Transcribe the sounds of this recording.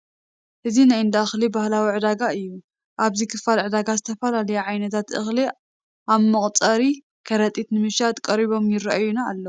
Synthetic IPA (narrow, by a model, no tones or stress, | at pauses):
ʔɨzinajɨnd̪axlibahlawiʕɨd̪aɡaɨjːu | ʔaβzikʰɨfalʕɨd̪aɡazɨt̪ʰɐfɐlalɐjuʕajnɐt̪ʰat̪ʔɨ̰xli | ʔaβmɨχʼt͡s̪ʼɐɾi | kʰɐɾɐt̪ʼit̪nɨmɨʃat̪kʼɐɾiβo̞mjɪrɐʔajunaːlːɐ